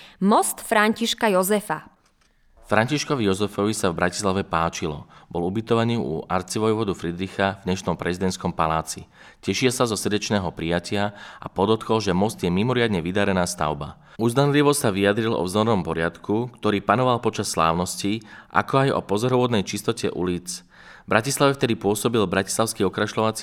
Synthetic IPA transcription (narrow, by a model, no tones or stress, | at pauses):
mɔst̪fɾaɲciʃkajɔzɛfa | fɾaɲciʃkɔʋijɔzɛfɔʋisavbɾaci̥slaʋɛpaːt͡ʃilɔbɔlubit̪ɔʋaɲiːṵaɾt͡siʋɔjʋɔd̪ufɾid̪ɾixavɲɛʃnɔmpɾʔɛzid̪ɛnt̪skɔmpalaːt͡si | cɛʃilsazɔsr̩dɛt͡ʃnɛːɦɔpɾijacɪaa̰pɔd̪ɔt̪kɔlʒɛmɔst̪jɛmimɔɾɪad̪ɲɛʋid̪aɾɛnaːst̪a̰ʊba̰ | uzd̪anliʋɔsaʋiad̪ɾilɔ̰vznɔɾɔmpɔɾɪat̪kukt̪ɔɾiːpanɔʋalpɔt͡ʃasːla̰ːʊnɔsciʔa̰kɔajɔ̰pɔzɔɾɔʋʊɔd̪nɛjt͡ʃist̪ɔcɛ̰ʔṵliːt͡s | bɾacislaʋɛft̪ɛd̪ipʊɔsɔbilbɾaci̥slaʊskiɔkɾaʃlɔʋat͡si